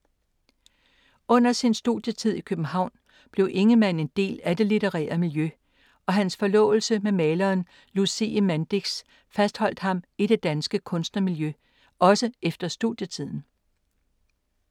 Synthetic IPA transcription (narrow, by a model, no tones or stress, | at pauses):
ɔ̽n̰ɐsinsd̥ṵðˠjət͡sʰið̰ˠikʰøb̥m̩hɑ̈ʊ̰n | b̥le̝ʊʔe̝ŋəmæn̰e̝nd̥e̝̰ːlæd̥e̝lit͡seʁɛ̰ːɐmiljø | ʔɒ̽ɦænsfɒ̽lɔ̰̽ːʊl̩səmemɛːlɐːn | lusiəmænd̥iɡ̥s | fæsd̥hɒ̽l̰d̥hɑ̈miɾ̥e̝d̥ænsɡ̥əkʰɔ̽nsd̥nɐmiljø | ʔɒ̽səefd̥ɐsd̥uðˠjət͡sʰið̰ˠn̩